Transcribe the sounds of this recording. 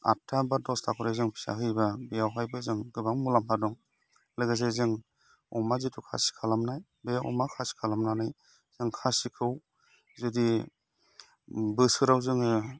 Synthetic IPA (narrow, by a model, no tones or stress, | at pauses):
a̰tʰːabadɔstʰakʰɔɾezɯŋpʰi̥sa̰ɦɯjbabijawɦajbɯzɯŋɡɯbaŋmulampʰadɔŋ | lɯɡazezɯŋ | ɔ̰mazitʰukʰa̰si̥kʰalamnaj | beɔ̰makʰasi̥kʰalamnanaj | z̥ɯŋkʰasikʰɯw | zɯdi | bɯsɯɾawzɯŋɯ